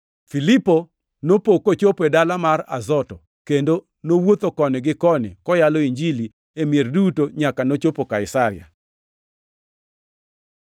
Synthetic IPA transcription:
filipo | nopokot͡ʃopedalamara̰zɔtɔ | kendo | nowot̪okɔnɪɡɪkɔnɪ̰kɔjaloiɲd͡ʒili | emjerdutoɲakanot͡ʃopokaɪsaɾɪja̰

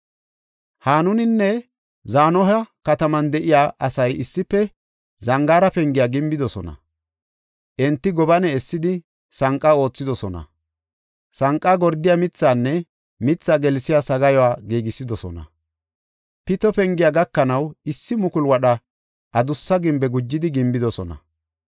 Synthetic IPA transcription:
haːnʊnɪnːɛ | zaːnɔɦɐkɐt̪ɐmɐnd̪ɛʔɪjaːʔɐsɐjɪsːɪpːɛ | zɐŋɡaːɾɐpɛŋɡɪjaːɡɪmbɪd̪ɔsɔ̰nɐ̰ | ʔɛnt̪ːɪɡɔbɐnɛɛsːɪd̪ɪ | sɐŋkʼːao̞ːt͡sːɪd̪ɔsɔnɐ̰ | sɐŋkʼːaːɡɔɾd̪ɪjamɪt͡sːaːnːɛ | mɪt͡sːaːɡɛlsɪjaːsɐɡɐjɔwaːɡiːɡɪsːɪd̪ɔsɔ̰nɐ̰ | pɪt̪ɔpɛŋɡɪjaɡɐkːɐnɐwɪsːɪmʊkʊlwɐɗɐ | ʔɐd̪ʊsːɐɡɪmbɛɡʊd͡ʒːɪd̪ɪɡɪmbɪd̪ɔsɔnɐ̰

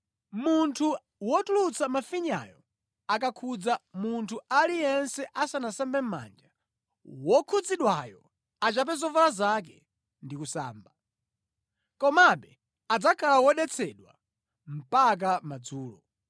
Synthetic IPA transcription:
muntʰu | wɔtulut͡sʰamafiɲa̰jɔ | akakʰud͡zamuntʰualijɛnsɛʔasanasambɛm̩ma̰nd͡ʒa | wɔkʰud͡ziɗwajɔ | at͡ʃap̬ɛzɔvalazak̬ɛ | ndikusa̰ːmba | kɔmaɓɛ | ad͡zakʰalawɔɗɛt͡sʰɛɗwa̰ | m̩pak̬amad͡zuːlɔ

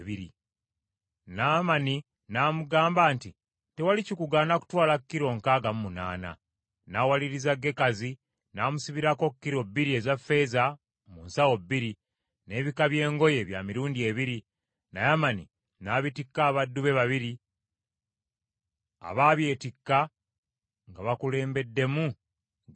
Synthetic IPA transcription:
βiɾḭ | naːmani | naːmuɡaːmbaːnti | te̞walicikuɡaːnaku̥twaːlakːiɾo̞ŋkaːɡamumuna̰ːna̰ | naːwaliɾizaɡe̞kazi | naːmusiβiɾako̞kːiɾo̞bːiɾie̞zafːe̞ːza | munsawo̞bːiɾi | ne̞ːβikaβje̞ːŋɡo̞je̞βjamiɾuːndie̞βiɾi | na̰jamani | naːβitikːaːβadːuβe̞βaβiɾi | a̰βaːβje̞ːtikːa | ŋɡaβakule̞ːmbe̞dːe̞mu

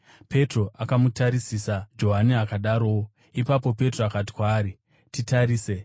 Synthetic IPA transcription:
pe̞tro̞ʔakamutaɾisisad͡ʒo̞ɦaniakaɗaɾo̞ | ipap̬o̞pe̞troakat̬i̥kwaːɾi | titaɾiːse

